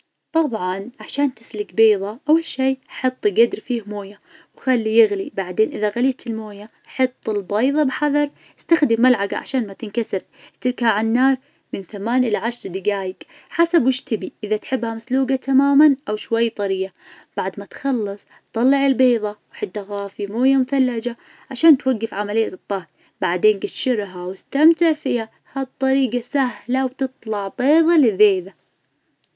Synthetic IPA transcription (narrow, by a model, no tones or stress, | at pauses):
t̪ˤɑbʕɑnʕaʃaːnt̪ɪslɪɡbeːðˤɑʔawːalʃiːħɨt̪ˤːɡad̪ɾfiːhmoːja | wxalːijɪɣlibaʕd̪eːnʔɪðaɣalɪːt̪ɪlmoːja | ħɑt̪ˤːɪlbɑjðˤɑbħɑðˤɑɾˤ | ɪst̪axd̪ɪmːalʕaɡa̰ʕa̰ʃaːnmat̪ɪnkasɪɾ | ɪt̪ɪɾkaʕanːɑːɾˤ | mɪnθamaːnʔɪlaʕaʃɾˤd̪ɪɡaːjɪk | ħasabwɪʃt̪ɪbiʔɪðat̪ħɪbːhamasluːɡat̪ʰamaːmanʔawʃwajːt̪ˤɑɾɪːa | b̥aʕd̪mat̪xɑlːɨsˤ | t̪ˤːɑlːɪʕɪlbeːðˤɑwħɪd̪ːaɣaːfimoːjamʊθalːad͡ʒa | ʕaʃaːnt̪waɡːɪfʕamalɪjːat̪ˤːɑhɾ | baʕd̪eːnɡɪt̪ʃɪɾɦawɪst̪amt̪ɪʕfiːha | hat̪ˤːɑɾiːɡasahlawt̪ɨt̪ˤlɑʕbeːðˤɑlɪðeːða